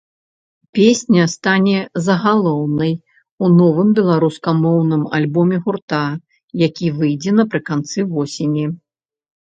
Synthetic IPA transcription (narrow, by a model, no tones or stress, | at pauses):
pʲesʲnʲɐst̪anʲɛzɐɣalˠɔwnɐj | unɔvɨmbʲɛlˠaɾuskɐmɔwnɨma̰lʲbɔmʲɛɣurt̪a | jakʲivɨjd͡zʲɛnɐpɾɨkant̪sɨvɔsʲenʲi